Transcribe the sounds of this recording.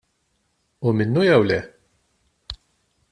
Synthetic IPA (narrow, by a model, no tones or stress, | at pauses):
umɪnːujɛwlɛ